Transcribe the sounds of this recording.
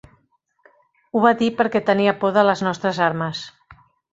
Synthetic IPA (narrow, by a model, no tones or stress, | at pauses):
uβadipəɾkɛt̪əniəpoðələznɔst̪ɾəzaɾməs